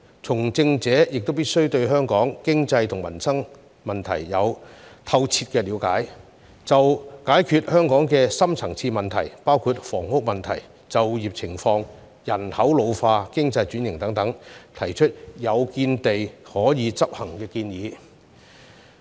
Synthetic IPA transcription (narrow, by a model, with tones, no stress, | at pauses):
t͡sʰʊ˨˩ŋt͡sɪ˧ŋt͡sɛː˨˥jɪ˨k̚t̪o˥wpiː˥t̚sɵ˥wt̪ɵ˧ɥɦœː˥ŋkɔː˨˥ŋkɪ˥ŋt͡sɐ˧jt̪ʰʊ˨˩ŋmɐ˨˩nsɐ˥ŋ | mɐ˨nt̪ʰɐ˨˩jːɐ˨˧wt̪ʰɐ˧wt͡sʰiː˧t̚kɛː˧liː˨˧wka̰ː˨˥j | t͡sɐ˨wkaː˨˥jkʰyː˨t̚hœː˥ŋkɔː˨˥ŋkɛː˧sɐ˥mt͡sʰɐ˨˩ŋt͡sʰiː˧mɐ˨nt̪ʰɐ˨˩jpaː˥wkʰu˧t̚fɔː˨˩ŋhʊ˥k̚mɐ˨nt̪ʰɐ˨˩j | t͡sɐ˨wjiː˨p̚t͡sʰɪ˨˩ŋfɔː˧ŋ | jɐ˨˩nhɐ˨˥wlo˨˧wfaː˧kɪ˥ŋt͡sɐ˧jt͡ʃyː˨˥njɪ˨ŋt̪ɐ˨˥ŋt̪ɐ˨˥ŋt̪ʰɐ˨˩jt͡ʃʰɵ˥t̚jɐ˨˧wkiː˧nt̪e˨jhɔː˨˥jiː˨˧t͡sɐ˥p̚hɐ˨˩ŋkɛː˧kiː˧njiː˨˧